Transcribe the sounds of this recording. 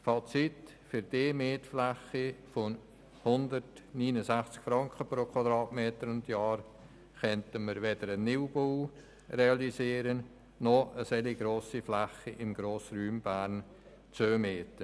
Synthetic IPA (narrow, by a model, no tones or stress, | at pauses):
fɑt͡sit | fʏɾd̥eːmeːtflæχifon | hʊndəɾtniːnəzæχt͡skfɾɑŋkχəpɾokʰwɑdɾɑːtmeːtəɾʊntjɑːɾ | kœntəməɾvedəɾənːɪwbow | reɑliziːɾənː | ɔəsɛliɡɾoːsiflæχiʔɪmɡɾoːsɾyːmb̥æːɾn | t͡søːmeːtə